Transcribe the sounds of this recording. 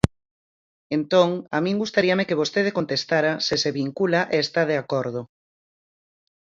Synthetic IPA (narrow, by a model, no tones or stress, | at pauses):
ent̪oŋamĩŋɡust̪aɾiamekeβ̞ost̪eð̞ekont̪est̪aɾaseseβiŋkulaʔeːst̪að̞eakoɾð̞o